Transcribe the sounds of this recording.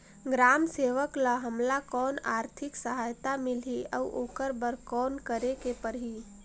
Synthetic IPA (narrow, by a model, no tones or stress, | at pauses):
ɡɾaːmseːʋəklaɦəmlakɔːnaːɾt̪ʰɪksəɦaːjt̪amɪlɦiə̰uʔoːkəɾbəɾkɔːnkəɾekepəɾɦiː